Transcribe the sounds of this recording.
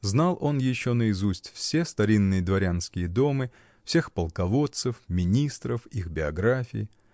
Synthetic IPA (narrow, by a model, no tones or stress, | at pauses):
znalˠʔo̞njɪɕːo̞nəɪzusʲtʲfsʲe̞st̪ɐɾʲinːɨjəd̪vɐɾʲanskʲɪjəd̪o̞mɨ | fsʲe̞xpəlˠkɐvo̞t̪sɨfmʲɪnʲist̪ɾəfixbʲɪɐɡɾafʲɪ̰ɪ